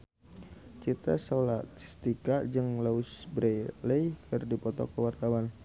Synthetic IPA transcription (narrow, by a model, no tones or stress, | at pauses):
t͡ʃit̪a̰salat̪st̪ikad͡ʒɨŋlaʊsbɾeləjkʰərdipɔt̪ɔ̰kəwart̪awan